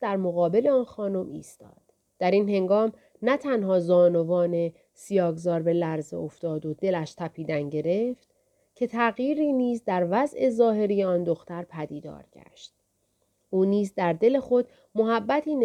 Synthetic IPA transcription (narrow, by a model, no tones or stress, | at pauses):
d̪̥æɾmo̞ɣɒːbe̞le̞ɒːnxɒːno̞mḭːst̪ɒ̰ːd̪̥ | d̥̪æɾiːnhe̞ŋɡɒːm | næt̪ʰænhɒːzɒːno̞vɒːne̞ | sijɒːɡzɒːɾbe̞læɾzḛoft̪ɒːd̪o̞d̪e̞læʃt̪ʰæpʰiːd̪ænɟe̞ɾe̞ft̪ | cʰe̞t̪ʰæɣjiːɾiːniːzd̪æɾvæzʔe̞zɒːɦe̞ɾijeɒːnd̪o̞xt̪æɾpʰæd̪iːd̪ɒ̰ːɾɟæ̰ʃt̪̚ | ʔuːniːzd̪æɾd̪e̞le̞xo̞d̪̥ | moɦæbːæt̪ʰiːn